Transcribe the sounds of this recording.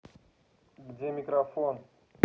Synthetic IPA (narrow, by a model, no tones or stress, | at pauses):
ɡdʲemʲɪkɾafon